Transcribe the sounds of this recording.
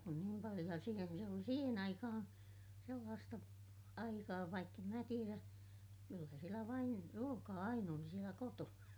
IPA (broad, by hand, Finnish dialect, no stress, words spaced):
kun niːm pɑlij̆o jɑ siːnæ ʋiel oli siːhen ɑikɑhɑ̃ː selːɑːstɑ ɑikɑː ʋɑikː em mæ tieræ kylːæ sielæ ʋɑin ruokɑː ɑin oli sielæ kotonɑ